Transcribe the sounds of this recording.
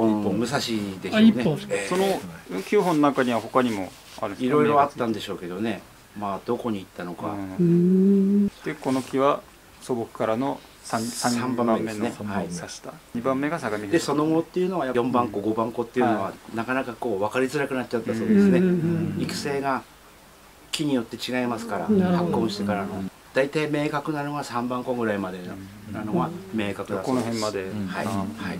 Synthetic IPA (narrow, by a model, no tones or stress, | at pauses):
õõmɯ̟s̬aɕid̪e̞snesonokʲʰɨːɦonːonakaɲiβaho̞kaɲ̟imo̞ | a̰ɾɯiɾo̞iɾo̞at̪ːãnd̪e̞ɕo̞ːke̞d̪o̞ne̞ | maːd̪̥o̞ko̞ɲ̟iːt̪ːano̞ka̰ | eko̞nokʲiβa | sobokɯ̥kaɾano̞ | sãsãsãmbãmeesnehai̥t̪aɲibãmːeɡasaɡamʲid̪eso̞no̞ɡo̞ːt̪ːe̞jɯ̟no̞ɡajajõ̞mbãŋko̞ɡo̞bãŋko̞t̪ːeiɯ̟noβanakanakako̞ːβakaɾʲizɨɾakɯ̟nat̚ːt͡ɕat̪ːaso̞ːd̪esɨne̞ikɯ̟̥se̞ːɡa | kʲiɲ̟ijo̞t̪ːe̞t͡ɕiɡaimasɨ̥kaɾa̰hakːõ̞ɰ̃ɕi̥t̪ekaɾano | d̪̥ait̪aime̞ːkakɯ̟naɾɯnoɡasãmbãŋkõ̞ŋɡɯ̟ɾaimad̪e̞nanoɡame̞ːkakɯ̟d̪akonohẽmːad̪ehaḭhaḭ